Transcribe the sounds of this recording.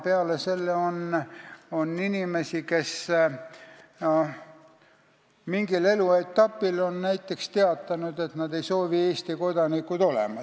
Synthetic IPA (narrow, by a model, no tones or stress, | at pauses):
peɑlese̞lːeo̞n | o̞nːinimesike̞s | miŋɡile̞lue̞t̪ːɑpːˑilo̞nnæjt̪ːˑe̞kst̪e̞ɑt̪ːˑɑnud̪̥e̞t̪nɑd̪e̞jso̞ːvie̞ːst̪iko̞d̪̥ɑnikːud̪̥o̞lḛmɑ